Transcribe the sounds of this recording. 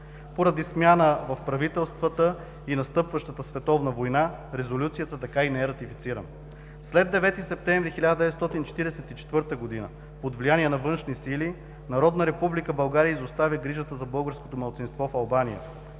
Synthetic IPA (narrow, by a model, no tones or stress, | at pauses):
poɾɐd̪ismʲjanəvɐfpɾɐvit̪ɛlˠst̪vət̪ə | inɐst̪ɤpvəʃt̪ət̪əsvɛt̪ɔvnəvojna | ɾɛzolʲut̪sijət̪ət̪ɐkainɛɛɾɐt̪ifit̪siɾə̰nə | slɛd̪ːɛvɛt̪isɛp̚t̪ɛ̃ɱvɾixilʲad̪əd̪ɛvɛt̪st̪ɔt̪int͡ʃɛ̥t̪iɾɛsɛt̪it͡ʃɛ̥t̪vɤɾt̪əɡod̪inə̰ | pod̪vlijaniɛnɐvɤnʃnisili | nɐɾɔd̪nəɾɛpublikəbɐlˠɡaɾiəizost̪avʲəɡɾiʒət̪əzɐbɤlˠɡəɾsko̥t̪omɐlˠt̪sinst̪vɔfɐlˠbanijə̰